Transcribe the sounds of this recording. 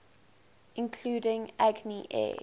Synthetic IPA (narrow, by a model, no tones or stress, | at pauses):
ɪ̃nkʰluːdɪ̃ŋaɡniʔɛ̰